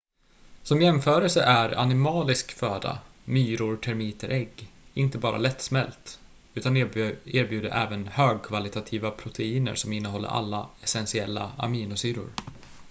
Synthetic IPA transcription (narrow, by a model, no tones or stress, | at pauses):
sɔmjɛmfœːɾəlsəʔæɾa̰nɪmɑːlɪskføːd̪a̰myːɾʊɾʈʰæɾmiːt̪əɾʔɛɡːɪnt̪əbɑːɾʔa̰lɛt̪ːsmɛlt̪ | ʉ̟ːt̪aneːɾbjʉ̟ːd̪əɾʔɛːvənhøːɡ̚kʰvalɪt̪ʰat̪ʰiːvapʰɾʊt̪ʰɛiːnə̰ɾsɔmɪnːəɦɔlːə̰ɾʔa̰lːaɛsɛnsɪɛlːa̰a̰miːnʊsyːɾʊ̰ɾ